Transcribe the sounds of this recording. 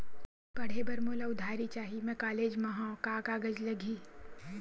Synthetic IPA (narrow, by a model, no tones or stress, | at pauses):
kɐɽ̤ebɐɾmoːlaʊd̪ʱaːɾit͡ʃaːɦimɛ̃kaːleːd͡ʒmɐɦãːkaːkaːɡəd͡ʒlɐɡʱiː